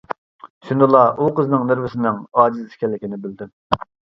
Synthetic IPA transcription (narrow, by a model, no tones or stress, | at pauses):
ʃynd̪ɨlˠɑʔuqəznɨŋnɪɾvɪsɪnɨŋɑːd͡ʒizskʲʰɛlːɪkʲinɪbɪld̪ɪm